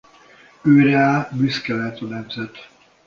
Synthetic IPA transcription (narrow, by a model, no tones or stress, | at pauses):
øːɾɛaːbyskɛlɛt̪onɛmzɛt̪